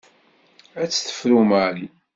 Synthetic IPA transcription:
æt͡sːθə̥fɾumaʕli

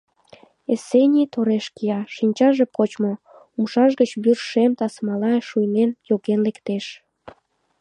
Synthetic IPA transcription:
esenʲit̪oɾeʃkijɑʃinʲt͡ɕɑʒepot͡ɕmo | umʃɑʃɣət͡ɕbyrʃemt̪ɑsmɑlɑeʃujnenjoɣenlekt̪eʃ

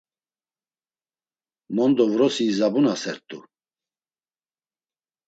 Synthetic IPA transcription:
mɔnd̪ɔvɾɔsiːzabunasɛɾt̪ʼu

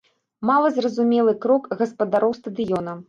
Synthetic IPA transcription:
malˠɐzrɐzumʲɛlˠɨkɾɔkɣɐspɐd̪aɾɔwst̪ɐd̪ɨjɔnɐ

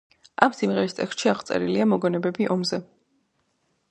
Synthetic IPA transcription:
amsimʁɛɾist̪ʼɛ̰kst̪ʃiaʁt̪sʼɛ̰ɾiliamɔɡɔnɛbɛbiʔɔmzɛ

